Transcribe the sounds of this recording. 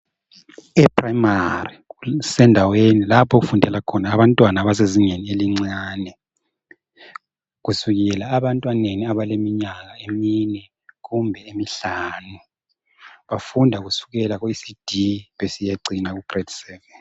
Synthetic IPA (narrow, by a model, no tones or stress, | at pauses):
ɛpʰraimarisɛndʱawenilapʰoɣufundʱɛlakʰɔnaːβantʼwanaβas̬eziŋenieliŋ͡ǀaːnɛ | ɣusuɣɛlaːβantʼwaneniaβalemiɲaɣaeminɛ | ɣumbʱɛemiɬaːnu | βafundʱaɣusu̥ɣɛlaɣoisid̥ʱiβesijaǀinaɣuɡ̥retsɛːvɛn